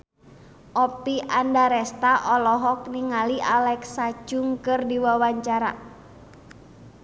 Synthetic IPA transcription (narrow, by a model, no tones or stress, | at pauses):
ʔɔpiʔandaɾɛst̪aʔɔlɔɦɔk̚niŋaliʔalɛksad͡ʒʊŋkɨrdiwawaɲt͡ʃaɾa̰